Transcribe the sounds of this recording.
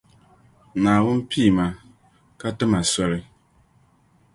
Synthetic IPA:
naː˨wʊ˦n˦pʰi˦˨ma˨ | ka˦tɨ˦ma˨sɔ˦lɨ˦

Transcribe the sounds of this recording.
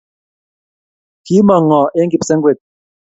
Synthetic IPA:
ki˨˦mɔ˨ŋːɔ˨ʔe˦ŋ˦ɡi˨psɛ˦ŋ˦ɡwe˦˨t̚

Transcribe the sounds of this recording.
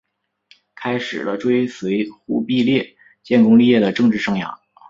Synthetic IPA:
kʰa˥ɪʂɻ̩˨˩lə˦ʈ͡ʂwe˥ɪswe˧˥ɪxu˥pi˥˧ljɛ˥˩ | t͡ɕjɛ˥˧nkʊ˥ŋli˥˧jɛ˥˩d̪ə˩ʈ͡ʂɤ˥˧ŋʈ͡ʂɻ̩˥˧ʂɤ˥˩ŋjɑ̰˨˩˦ŋ

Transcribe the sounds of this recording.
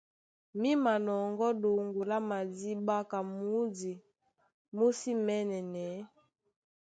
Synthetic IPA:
mi˦ma˨nɔ˨ŋɡɔ˦do˨ŋɡu˨la˦ma˨di˦ba˦ka˨mu˦di˨ | mo˦si˦mɛ˦nɛ˨nɛ˨˦

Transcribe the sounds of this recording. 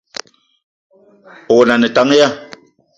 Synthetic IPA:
o˨na˨nɛ˨ta˨˦ŋ˦ja˦

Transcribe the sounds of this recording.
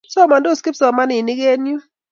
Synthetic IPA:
sɔ˦˨ma˨ndo˦˨ski˦psɔ˨ma˦nɪ˨ni˦ɡe˦nju˦

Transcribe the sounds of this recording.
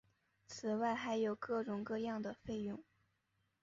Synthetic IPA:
t͡sʰɹ̩˨˩wa˥˩ɪxa˧˥ɪjo˨˩ʊkɤ˥˩ʈ͡ʂʊ˨˩ŋkɤ˥˧jɑ˥˩ŋd̪ə˩fe˥˧ɪjʊ˥˩ŋ

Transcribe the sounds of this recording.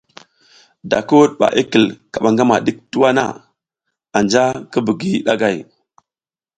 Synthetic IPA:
da̰˨ku˦u˦ɗ̚ɓa̰˨ʔi˦kə˨lka˨ɓa˨ŋɡa˦ma˨ɗi˦k̚tu˦wa˦na̰˦˨ | a˨nd͡ʒa˦kə˦bi˨ɡi˦ɗa˦ɡa˦˨j

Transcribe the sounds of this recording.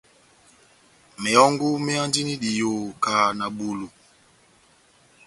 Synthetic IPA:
mɛ˨ɔ˦ŋɡu˦mɛ˦a˦ndi˦ni˦ɗi˨jo˨ka˨na˨ɓu˨lu˨

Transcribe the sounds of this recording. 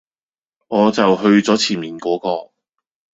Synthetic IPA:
ŋɔː˨˧t͡sɐ˨wɦɵ˧ɥt͡sɔː˨˥t͡sʰiː˨˩nmiː˨˩nkɔː˨˥kɔː˧

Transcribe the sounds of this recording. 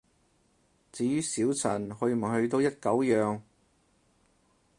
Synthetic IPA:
t͡siː˨˥jyː˥siː˨˥wt͡sʰɐ˨˩nɦɵ˧m̩˨˩hɵ˧ɥt̪o˧wjɐ˥t̚kɐ˨˥wjœː˨ŋ

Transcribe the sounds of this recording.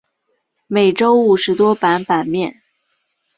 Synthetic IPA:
me˨˩ɪʈ͡ʂo˥ʊu˨˩ʂɻ̩˧˥t̪wɔ˥pa˧˥npa˨˩nmjɛ˥˩n

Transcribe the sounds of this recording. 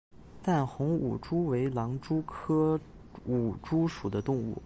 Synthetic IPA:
t̪a˥˩nxʊ˧˥ŋṵ˨˩ʈ͡ʂu˥we˧˥ɪlɑ˧˥ŋʈ͡ʂu˥kʰɤ˥ | u˨˩ʈ͡ʂu˥ʂu˨˩d̪ə˦t̪ʊ˥˧ŋṵ˥˩

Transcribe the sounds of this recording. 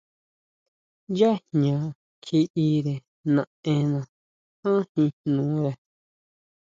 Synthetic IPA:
ja˦hɲã˨ | kʰi˧i˧ɾe˨ | nã˨ẽ˧nã˨ | ã˦hĩ˧nũ˨˦ɾe˨

